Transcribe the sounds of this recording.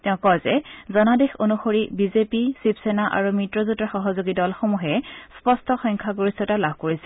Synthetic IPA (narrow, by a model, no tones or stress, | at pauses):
tɛʊ̃kɔjzɛzɔnadexonuxoɹibizepisipsɛnaʔa̰ɹumitɹɔzutaxɔɦɔzoɡidɔlxomuɦɛspɔstʰɔxɔŋkʰaɡoɹistɔtalabʱkoɹisɛ̥